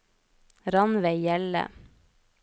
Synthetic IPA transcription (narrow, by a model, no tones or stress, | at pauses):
ɾɑnʋeːjɛlə̰